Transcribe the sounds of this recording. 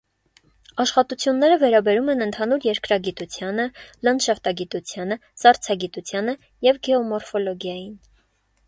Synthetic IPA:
ɑʃχɑt̪ut͡sʰjunːɛɾəvɛɾɑbɛɾumɛnənt̪ʰɑnuɾjɛɾkɾɑɡit̪ut͡sʰjɑnələnʃɑft̪ɑɡit̪ut͡sʰjɑnəsɑɾt͡sʰɑɡit̪ut͡sʰjɑnə | jɛvɡɛɔmɔɾfɔlɔɡjɑjin

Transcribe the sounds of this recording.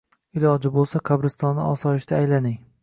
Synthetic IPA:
ɪlɒd͡ʒɪbolˠsaqʰabɾɪst̪ɒnːɪɒsɒjɪʃt̪ʰaːjlanɪŋ

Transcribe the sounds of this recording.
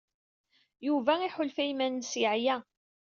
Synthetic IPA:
juvæiħʊlfæjmænːsiʕjæ

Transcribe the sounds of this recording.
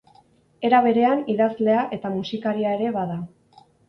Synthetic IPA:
e̞ɾaβ̞e̞ɾe̞aniðazle̞aʔe̞t̪amusikaɾiae̞ɾe̞βaða

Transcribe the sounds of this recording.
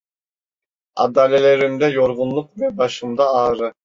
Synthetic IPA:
ɑd̪aːlʲelʲeɾimd̪ɛjoɾʁunlˠuq̚vɛbɑʃɯmd̪aːɾɯ

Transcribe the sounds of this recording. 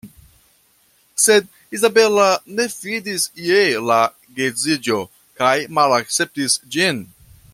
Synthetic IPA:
se̞d̚ | izabe̞lane̞fidisjela | ɡezid͡ʒo̞ | kajmalak̚t͡se̞p̚tisd͡ʒin

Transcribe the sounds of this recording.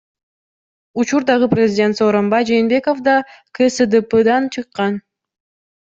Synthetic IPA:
ut͡ʃuɾd̪ɑʁɯprʲɪzʲɪdʲent̪soːɾo̞mbɑjd͡ʒeːnbe̞ko̞fd̪ɑkʰesəd̪epəd̪ɑnt͡ʃʰɯqːɑn

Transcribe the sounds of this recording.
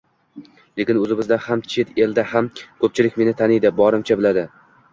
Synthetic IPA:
le̞kʲɪnɵzɪmɪzd̪ahamt͡ʃʰet̪e̞ld̪ahamkʰɵp̚t͡ʃʰɪlɪkʲme̞nɪt̪ʰanɪjd̪ɪbɒɾɪmt͡ʃʰabɪlad̪ɪ

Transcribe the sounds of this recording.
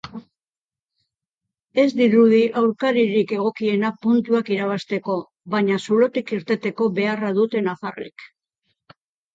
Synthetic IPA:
e̞zd̪iɾuðiʔawɾkaɾiɾike̞ɣ̞o̞kie̞napunt̪uakiɾaβ̞ast̪e̞ko̞ | βaɲasulo̞t̪ikiɾt̪e̞t̪e̞ko̞βe̞araðut̪e̞nafarḭk

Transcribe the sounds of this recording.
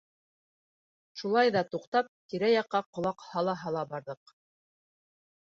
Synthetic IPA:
ʃulˠɑjðɑt̪uqt̪ɑp̚t̪iɾæjɑqːɑqŏlˠɑqhɑlˠɑɦɑlˠɑbɑɾðɤq̚

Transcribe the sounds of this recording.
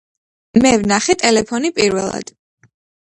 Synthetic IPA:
mɛvnaχɛt̪ʼɛlɛpʰɔnipʼiɾvɛ̰lˠa̰d̪̥

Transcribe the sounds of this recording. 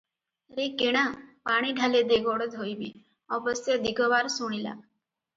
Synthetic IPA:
ɾekeɽ̃apaːɽ̃iɖʱaled̪eɡɔɽəd̪ɦoibḛ̃ | ɔbəsed̪iɡʱɔʋaːɾsuɽ̃ila̰

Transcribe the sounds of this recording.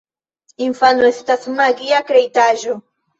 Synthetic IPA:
iɱfanoest̪asunaɣiakɾejt̪aʒo

